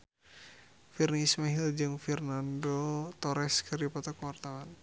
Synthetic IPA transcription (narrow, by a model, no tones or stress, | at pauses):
firniːsmaɦild͡ʒɨŋfɛrnandot̪ɔɾɛskɨrdipɔt̪ɔkəwart̪awan